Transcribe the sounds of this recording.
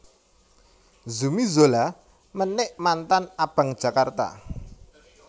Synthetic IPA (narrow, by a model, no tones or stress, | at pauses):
zumizola | mənɪʔmant̪anab̥ä̤ŋd̥ʒ̥a̤kart̪a̰